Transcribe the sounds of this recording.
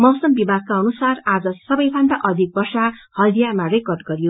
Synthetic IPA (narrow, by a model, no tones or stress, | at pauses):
mʌwsʌmbibʱaɡ̚kaʌnusarad͡zʌsʌbʌjbʱʌnd̪aʔʌd̪ʱik̚bʌrsahʌld̪ijamarekʌrɖ̚ɡʌɾijo